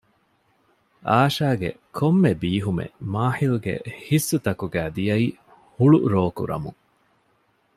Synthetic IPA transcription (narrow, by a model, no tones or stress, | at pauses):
ʔaːʃaːɡḛ | kʰomːebiːɦumḛmaːħiluɡḛhisːut̪ɐkuɡæːd̪ijɐi | huɭuɾoːkṵɾɐ̰muŋ